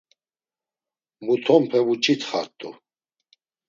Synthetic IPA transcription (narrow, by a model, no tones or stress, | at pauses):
mut̪ʰɔmpʰɛvut͡ʃʰʼit̪ʰχaɾt̪ʼṵ